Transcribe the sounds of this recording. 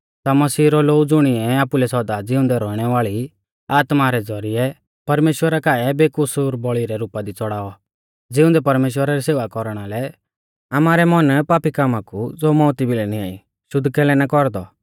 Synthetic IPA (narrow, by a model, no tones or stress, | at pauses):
t̪amɐsiːɾɔloːud͡zʊɽ̃ɪɛaːpulɛsɔd̪ad͡zɪʊ̃nd̪ɛɾɔːɽ̃ɛʋaːɭi | aːt̪maɾɛd͡zɔɾiɛ | pɐɾmeːʃwəɾakaːɛbeːkʊsʊɾbɔɭiɾɛɾuːpad̪it͡sɔɽaːɔ | d͡zɪʊ̃nd̪ɛpɐɾmeːʃ̬wəɾaɾiseːʋakɔɾɽ̃alɛ | amaːɾɛmɔnpaːpikaːmakud͡zoːmɔ̃ːʊt̪ibʱilɛnia̰ːi | ʃʊd̪kɛlɛnakɔɾd̪ɔ